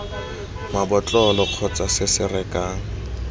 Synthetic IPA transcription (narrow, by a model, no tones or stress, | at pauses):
mabɔt͡ɬʼɔlɔq͡χʰɔt͡sʼasɪsɪrɛkʼaŋ̩